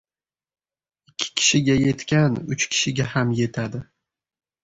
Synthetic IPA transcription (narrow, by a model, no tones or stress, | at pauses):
ɪkʲʰːɪ̥kʲʰɪ̥ʃɪɡʲaje̞t̪kʲanʊt͡ʃkʲʰɪ̥ʃɪɡʲahamje̞t̪ʰad̪ɪ